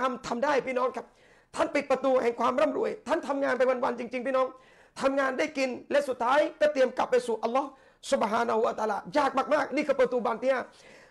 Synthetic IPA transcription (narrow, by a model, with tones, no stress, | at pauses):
a˧mt̪ʰa˧mdaː˥˩jpʰiː˥˩nɔː˦˥ŋkʰa˦˥p̚ | t̪ʰa˥˩npi˨˩t̪̚pɾa˧t̪uː˧hɛ˨˩ŋkʰwaː˧mɾɔ˥˩mɾu˧˩əjt̪ʰa˥˩nt̪ʰa˧mŋaː˧npa˧jwa˧nwa˧nt͡ɕi˧ŋt͡ɕi˧ŋpʰiː˥˩nɔː˦˥ŋ | t̪ʰa˧mŋaː˧nda˥˩jki˧nlɛ˦˥su˨˩t̪ʰːaː˦˥jkɔː˥˩t̪i˧əmka˨˩pːa˧jsuː˨˩ʔa˧lːɔː˦˥˩ | su˨˦bɦaː˧na˧hu˧a˧t̪aː˧laː˧jaː˥˩k̚maː˧˩k̚maː˥˩k̚niː˥˩kʰɯː˧pɾːt̪uː˧baː˧nt̪iː˧˥aː˧˥˩